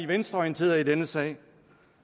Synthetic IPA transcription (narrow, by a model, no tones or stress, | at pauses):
iʋensd̥ɐɒint͡sʰe̝̰ːɐɐidenəsɛ̰ːɪ